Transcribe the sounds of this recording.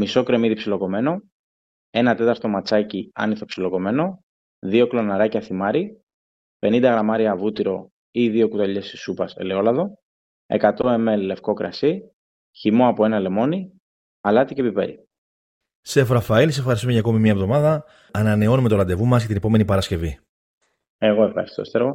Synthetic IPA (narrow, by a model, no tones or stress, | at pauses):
miso̞kɾe̞miðipsilo̞ko̞me̞no̞ | e̞nɐt̪e̞t̪ɐɾt̪o̞mɐt͡sɐciɐ̰niθo̞psilo̞ko̞me̞no̞ | ðio̞klo̞nɐɾɐcɐθimɐɾi | pe̞nind̪ɐɣɾɐmɐɾiɐvut̪iɾo̞ | iðio̞kut̪ɐʎe̞sisupɐsḛleo̞lɐðo̞ | e̞̰kɐt̪o̞e̞melle̞fko̞kɾɐ̰si | çimo̞ɐpoe̞nɐle̞mo̞ni | ɐlɐt̪icepipe̞̰ɾi | sefɾɐfɐilisefxɐɾist̪umeʝɐːko̞mimɲɐevðo̞mɐðɐː | nɐne̞o̞numet̪olɐnd̪e̞vumɐsʝɐt̪inepome̞nipɐɾɐsce̞vi | e̞ɣo̞e̞fxɐ̰ɾist̪o̰st̪eɾo